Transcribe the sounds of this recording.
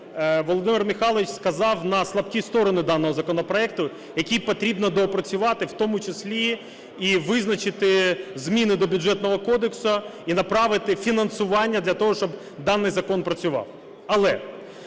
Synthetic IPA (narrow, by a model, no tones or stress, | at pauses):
ʋɔlˠɔd̪ɪmɪrmɪxɑlˠɐʋit͡ʃʲskɐzɑwnɐslˠɐbkʲist̪ɔɾɔnɪd̪ɑnːɔɦɔzɐkɔnɔpɾɔɛkt̪ʊ | jɐkʲijpɔt̪ɾʲibnɔd̪ɔːpɾɐt͡sʲʊʋɑt̪ɪwt̪ɔmʊt͡ʃɪslʲi | iʋɪznɐt͡ʃɪt̪ɪzmʲinɪd̪ɔbʲʊd͡ʒɛt̪nɔɦɔkɔd̪eksʊinɐpɾɑʋɪt̪ɪfʲinɐnsʊʋɑnʲːɐd̪lʲɐt̪ɔɦɔʃt͡ʃɔb | d̪ɑnːɪjzɐkɔnpɾɐt͡sʲʊʋɑ̰w | ɐlˠɛ